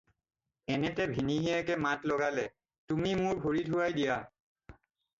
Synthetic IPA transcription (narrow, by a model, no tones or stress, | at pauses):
ɛnɛtɛbʱiniɦiakɛmatlɔɡalɛ | tumimʊɹbʱoɹidʱuajdija